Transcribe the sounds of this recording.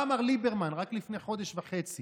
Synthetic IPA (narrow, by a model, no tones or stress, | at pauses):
amaʁlibeʁmanʁaklifneχo̞d̪eʃvaχe̞t͡si